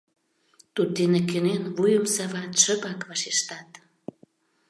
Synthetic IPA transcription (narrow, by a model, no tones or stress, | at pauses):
t̪ut̪̚d̪enekenenvujəmsɑβɑt̪ʃə̆pɑkβɑʃeʃt̪ɑt̪